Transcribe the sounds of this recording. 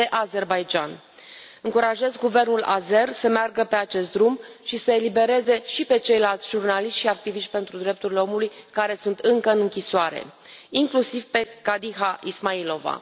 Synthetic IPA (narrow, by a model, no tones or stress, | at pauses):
eʔaze̞rbajd͡ʒan | ɨŋkuɾaʒe̞zɡuve̞rnula̰ze̞rsəmearɡəpe̞at͡ʃe̞st̪̚d̪ɾumʃisəe̞libe̞ɾe̞ze̞ʃipe̞t͡ʃe̞jlalt̪sʲʒ̥urnaliʃt̪ʲʃiak̚t̪iviʃt̪ʲpe̞nt̪ɾud̪ɾe̞p̚t̪uɾile̞o̞mulujkaɾe̞sunt̪ɨŋkəɨnɨŋkʲisoaɾe̞̰ | iŋklusiv̥pe̞kad̪iɦaʔismailo̞va̰